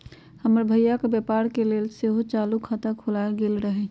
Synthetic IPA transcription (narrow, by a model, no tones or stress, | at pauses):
həməɾbʱəjjakebjepaɾkelelseɦot͡ʃaːlukʰat̪əkʰolaelɡelɾəɦɛ